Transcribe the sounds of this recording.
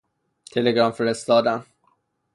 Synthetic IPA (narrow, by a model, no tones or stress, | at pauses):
t̪ʰeleɡɾɒːmfeɾest̪ɒːd̪æn